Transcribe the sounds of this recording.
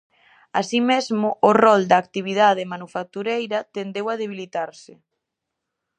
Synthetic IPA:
asimezmʊʔorɔld̪aːk̚t̪iβ̞iðað̞emanufak̚t̪uɾejɾɐt̪end̪ewað̞eβ̞ilit̪aɾsɪ

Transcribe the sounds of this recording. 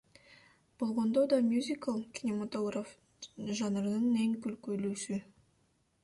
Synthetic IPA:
b̥olˠʁɑnd̪ɑwd̪ɑmjuzʲikalˠkʲʰinemat̪oɡɾaf | ʒɑnəɾnəneŋkʲʰʏlkʲʰɵluʃɪ

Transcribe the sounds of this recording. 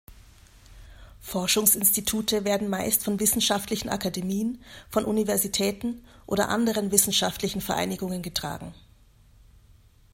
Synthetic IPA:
fɔɐʃʊŋsɪnstitʰuːtʰəveːɐdn̩maɪstfɔnvɪsn̩ʃaftlɪçn̩ʔa̰kademiːənfɔnʔunivɛɐzitʰɛːtn̩ʔo̰ːdɐ̰ʔa̰ndəʁ̞ənvɪsn̩ʃaftlɪçn̩fɛɐʔa̰ɪnɪɡʊŋənɡətʁ̥a̰ːɡŋ̩

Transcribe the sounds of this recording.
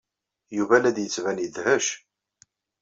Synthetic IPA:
juvælæd̪jət͡sːvænjəd̪həʃ

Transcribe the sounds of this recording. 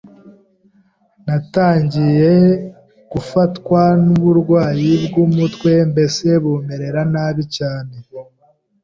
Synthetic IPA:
nataːɲɟije̞ | ɡ̥ufatkwanuβuɾɡwaːjibɡumutwe̞mbe̞se̞βuːme̞ɾe̞ɾanaːβicaːne̞

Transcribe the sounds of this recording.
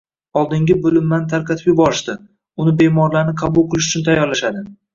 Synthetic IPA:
ɒlˠd̪ɪŋʲɪbʊlɪmːant̪ʰaɾkɑt̪ʰɪpjɪbɒɾɪʃd̪ɪ | ʊnɪbe̞mɒɾlaɾnɪqʰɑbʊlˠkqʰɨlˠɪʃʊ̥t͡ʃʰʊnt̪ʰajːɒɾlaʃad̪ɪ

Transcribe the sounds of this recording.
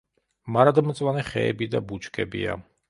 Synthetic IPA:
maɾad̪mt̪sʼwanɛχɛ̰ɛbid̪abut͡ʃʰkʰɛbḭa̰

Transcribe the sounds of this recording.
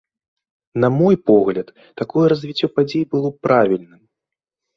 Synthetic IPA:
namɔjpɔɣlʲɐt̪ːakɔjɛɾɐzʲvʲit͡sʲːɔpad͡zʲejbɨlˠɔpɾavʲilʲnɨm

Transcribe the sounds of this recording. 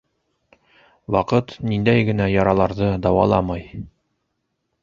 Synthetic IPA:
wɑqɤt̪nind̪æjɡɘ̆næjɒɾɑlˠɑɾðɤd̪ɒwɑ̰lˠɑmɑj

